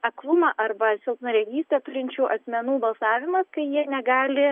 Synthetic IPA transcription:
ɐklˠʊmɑʔɐrbɐsʲɪlˠpnɐɾʲɛɡʲiːst̪ot̪ʊlʲɪnʲt͡ʃʲuːʔɐsʲmʲɛnuːbɐlˠsɑːʋʲɪmɐskɐɪjiɛnʲɛɡɑːlʲɪ

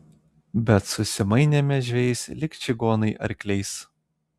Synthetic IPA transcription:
bʲɛt̪sʊsʲɪmɐɪnʲemʲɛʒʲʋʲɛɪsʲlʲɪkt͡ʃʲɪɡoːnɐɪʔɐ̰ɾʲkʲlʲɛɪs

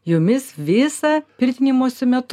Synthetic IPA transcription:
jʊmʲɪsʋʲɪsɐpʲɪɾʲt̪ʲɪnʲɪmoːsʲʊmʲɛt̪

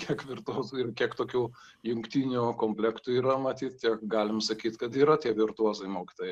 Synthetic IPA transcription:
kʲiɛkʋʲɪrt̪uɔzuɪrkʲiɛkt̪oːkʲuː | jʊŋkt̪ʲinʲukoːmʲpʲlʲɛkt̪uiːɾɐmɐt̪ʲiːt̪tʲiɛkɡɑːlʲɪmsɐkʲiːt̪kɐt̪iːɾɐt̪ʲiɛʋʲɪrt̪uɔzɐɪmoːkʲɪ̥t̪oːjɛɪ

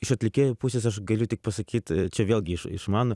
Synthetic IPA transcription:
ɪʃɐt̪ʲlʲɪkʲepusʲɪsɐʃɡɐlʲut̪ʲɪk̚pɐsɐkʲiːt̪ʲt͡ʃʲɛʋʲeːlʲˠɡʲɪʃɪ̰ʃmɑːnʊ

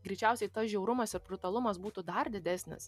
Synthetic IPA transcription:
ɡɾʲɪt͡ʃʲæˑʊsʲɛɪt̪ɐsʒʲɛʊɾʊmɐsɪɾpɾʲʊt̪ɐlˠʊmɐsbuːt̪uːd̪ɐɾd̪ʲɪd̪ʲæːsʲnʲɪ̰s

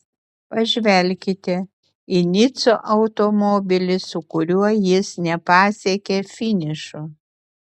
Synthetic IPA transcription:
pɐʒʲʋʲɛlʲkʲɪt̪ʲɛ | ɪnʲɪt̪soːʔɐʊt̪omoːbʲɪlʲɪsʊkʊɾʲuɔjɪsnʲɛpɑːsʲɛkʲefʲɪnʲɪʃʊ

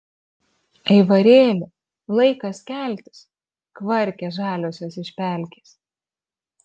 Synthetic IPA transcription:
ɐɪʋɐɾʲeːlʲʊ | lˠɐɪkɐskʲæˑlʲt̪ʲɪs | kʋɐɾʲkʲɛʒɑːlʲoːsʲoːsɪʃʲpʲæˑlʲkʲes

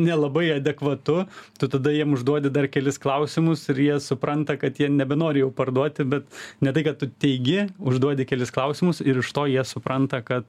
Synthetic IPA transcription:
nʲɛlˠɐbɐɪɐd̪ʲɛkʋɐt̪ʊt̪ʊt̪ɐd̪ɐjiɛmʊʒd̪uɔdʲɪd̪ɐrkʲɛlʲɪsklˠɐʊsʲɪmʊsɪɾjiɛsʊpɾɐnt̪ɐkɐt̪jiɛnʲɛbʲɛnoːɾʲɪjɛʊpɐrd̪uɔt̪ʲɪbʲɛt̪nʲɛt̪ɐɪkɐtt̪ːʊt̪ʲɛɪɡʲɪʊʒd̪uɔdʲɪkʲɛlʲɪsklˠɐʊsʲɪmʊsɪɾɪʃt̪oːjiɛsʊpɾɐnt̪ɐkɐt̪

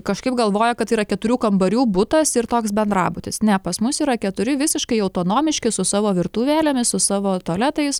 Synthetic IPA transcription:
kɐʃkɐɪp̚ɡɐlˠʋoːjɛkɐt̪iːɾɐkʲɛt̪ʊɾʲuːkɐmbɐɾʲuːbʊt̪ɐsɪɾt̪oːksbʲɛnd̪rɑ̰ːbʊt̪ʲɪsnʲɛpɐsmʊsiːɾɐkʲɛt̪ʊɾʲɪʋʲɪsʲɪʃkɐɪɐʊt̪oːnoːmʲɪʃʲkʲɪsʊsɑːʋoːʋʲɪrt̪uːʋʲæːlʲɛmʲɪssʊsɑːʋoːt̪ɔlʲæːt̪ɐɪs

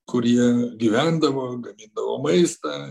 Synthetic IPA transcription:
kʊɾʲiɛɡʲiʋʲæˑnd̪ɐʋoːɡɐmʲɪnd̪ɐʋo̰ːmɐɪst̪ɑ

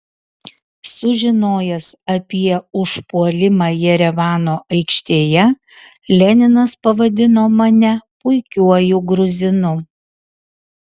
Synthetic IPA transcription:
sʊʒʲɪnoːjɛsɐpʲiɛʊʃpuɔlʲɪmɑːjɛɾʲɛʋɑːnoːʔɐɪkʃʲt̪ʲeːjɛ | lʲɛnʲɪnɐspɐʋɐd̪ʲɪnoːmɐnʲɛpʊɪkʲuɔjʊɡɾʊzʲɪnʊ

